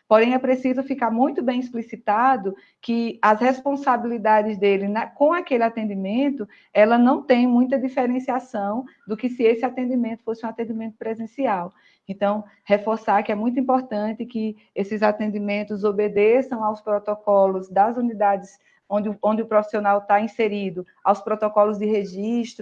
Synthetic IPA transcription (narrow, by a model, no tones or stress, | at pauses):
poɾẽj̃ɛpɾesizʊfikaɾmũj̃t̪ʊbẽj̃isplisit̪ad̪ʊ | kɪɐshɛspõsabilid̪ad̪ɪzd̪elɪnɐkõakeliat̪ẽnd̪imẽnt̪ʊ | ɛlɐnɐ̃w̃t̪ẽj̃mũj̃t̪ɐd̪ifeɾẽsiasɐ̃w̃d̪ʊkɪsɪesɪat̪ẽnd̪imẽnt̪ʊ̥fosɪũat̪ẽnd̪imẽnt̪ʊ̥pɾɛzẽsiaw | ẽnt̪ɐ̃w̃ | hefoɾsaɾkɪɛmũj̃t̪ʊĩpɔɾt̪ɐ̃t̪ɪkɪ | esɪzat̪ẽnd̪imẽnt̪ʊzobed̪esɐ̃w̃awspɾɔt̪ɔkɔlʊzd̪ɐzunid̪ad̪ɪs | õd̪ɪõnd̪ɪʊpɾɔfi̥sionawt̪aĩseɾid̪ʊ | awspɾɔt̪ɔkɔlʊzd̪ɪɦeʒiʃt̪ɾʊ